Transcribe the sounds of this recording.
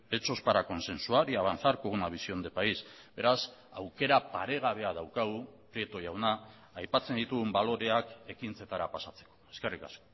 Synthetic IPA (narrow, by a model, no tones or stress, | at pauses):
e̞t͡so̞spaɾako̞nse̞nsuaɾiaβanθaɾkoɣunaβ̞isio̞nd̪e̞paisbe̞ɾasawke̞ɾapaɾe̞ɣ̞aβ̞e̞aðawkaɣupɾie̞t̪ojawnaː | jpat͡se̞nd̪it̪uɣumbalo̞ɾe̞ake̞kint͡se̞t̪aɾapasat͡se̞̥koe̞ske̞rika̰sko̥